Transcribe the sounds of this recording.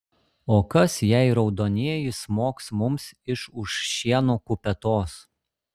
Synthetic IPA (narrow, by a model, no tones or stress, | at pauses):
oːkɐsjæɪɾɒʊd̪oːnʲeːjɪsmoːksmʊmsɪʃʊʃʃːʲiɛnuːkʊpʲɛt̪oːs